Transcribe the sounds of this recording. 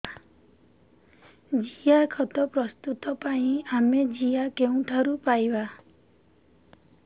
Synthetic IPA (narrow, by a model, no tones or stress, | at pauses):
d͡ʒijakʰɔt̪ɔpɾɔst̪ut̪ɔpaĩamed͡ʒijakeũʈʰaɾupajba